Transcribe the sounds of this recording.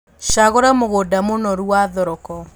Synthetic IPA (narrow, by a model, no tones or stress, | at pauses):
ʃaɣoɾamoɣodamonɔɾuaðɔɾɔkɔ